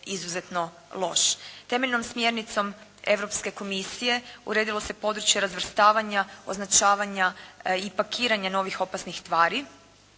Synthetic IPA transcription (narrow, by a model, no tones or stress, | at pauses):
izuzet̪no̞ | lˠo̞ʃt̪e̞me̞ʎno̞msmje̞ɾnit̪so̞me̞̰ʋɾo̞pske̞ko̞misije̞ṵɾe̞ːd̪ilˠo̞se̞po̞d̪ɾut͡ʃjeɾazʋr̩st̪aːʋaɲao̞̰znat͡ʃaːʋaɲaipakiːɾaɲano̞ʋixo̞pasnixst̪ʋaːɾi